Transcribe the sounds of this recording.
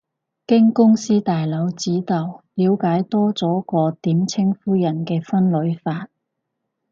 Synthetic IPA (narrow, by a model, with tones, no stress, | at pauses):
kɪ˥ŋkʊ˥ŋsiː˥t̪aː˨jlɐ˨˧˥wt͡siː˨˥t̪ɐ˨˩wliː˨˧wkaː˨˥jt̪ɔː˥t͡sɔː˨˥kɔː˧t̪iː˨˥mt͡sʰɪ˥ŋfuː˥jɐ˨˩nkɛː˧fɐ˥nlɵ˨˧˥ɥfaː˧t̚